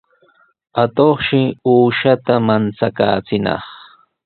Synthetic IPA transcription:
at̪oχʃɪuːʃat̪amant͡saka̰ːt͡sɪnɑ̰χ

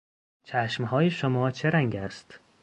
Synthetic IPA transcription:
t͡ʃʰæʃmhɒːjeʃomɒːt͡ʃʰe̞ɾæŋɡæst̪

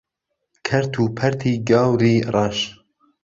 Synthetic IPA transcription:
kʰɐɾt̪ʰuːpʰɐɾt̪ʰiːɡɑːwɾiːrˤɑːʃ

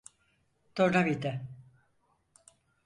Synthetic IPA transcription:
t̪oɾnavid̪ɛ

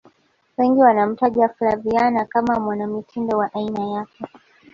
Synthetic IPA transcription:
wɛŋɡiwanam̩taʄaflavianakamamwanamitʰindɔwaʔainajakɛ

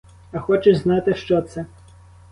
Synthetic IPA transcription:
ɐxɔt͡ʃɛznɑt̪ɪʃt͡ʃɔt̪sɛ

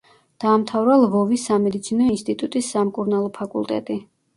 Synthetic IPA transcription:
d̪̥aːmt̪ʰavɾalˠvɔvisːamɛd̪it̪sʰinɔinst̪ʼit̪ʼut̪ʼisːamkʼuɾnalˠɔpʰakʼṵlˠt̪ʼɛ̰t̪ʼi

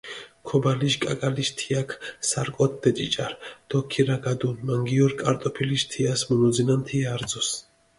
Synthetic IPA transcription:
kʰɔbaliʃkʼakʼaliʃt̪ʰiakʰsaɾkʼɔt̪̚ʰd̪ɛt͡ʃʼit͡ʃʼaɾd̪̥ɔkʰiɾaɡad̪unmaŋɡiɔɾkʼaɾt̪ʼɔpʰiliʃt̪ʰiasmunɔd̪zinant̪ʰiaɾd̪zɔs

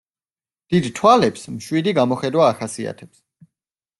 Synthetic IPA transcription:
d̪̥id̪t̪ʰwalɛpsmʃwid̪iɡamɔχɛd̪waːχasia̰t̪ʰɛps

